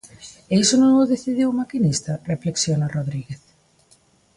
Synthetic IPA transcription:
eisonõŋʊðeθiðiwmakinist̪ɐrefleksjonaroðɾiɣeθ

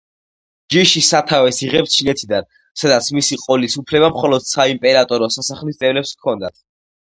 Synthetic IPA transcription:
d͡ʒiʃisat̪ʰavɛsiʁɛpt͡ʃʰinɛt̪ʰid̪an | sad̪at̪sʰmisiqʼɔlisupʰlɛbamχɔlɔd̪̥saimpʼɛɾat̪ʼɔɾɔsasaχlist̪ʼɛvlɛpskʰɔnd̪at̪ʰ

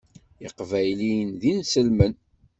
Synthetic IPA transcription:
iqvæjliənðinsəlmən

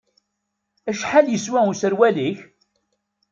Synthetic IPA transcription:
æʃħaljəswæusəɾwæliç

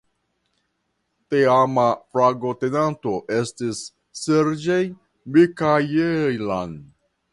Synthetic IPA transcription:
teamafɾaɡote̞nanto̞ʔe̞stisː | eɾd͡ʒej | bikajejlan

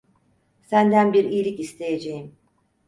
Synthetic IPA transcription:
sænd̪ænbiɾijːlʲicist̪ʰe̞jed͡ʒejim

